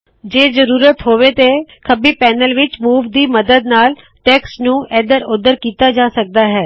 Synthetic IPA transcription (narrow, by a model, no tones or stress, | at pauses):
d͡ʒeːzəɾuːɾət̪ɦoːʋeːt̪eːkʰəbiːpɛːnəlʋɪt͡ʃmuːʋd̪iːməd̪əd̪naːl | ʈɛːksnũːʔɛːd̪əɾʊd̪əɾkiːt̪aːd͡ʒaːsək̚d̪aːɦɛː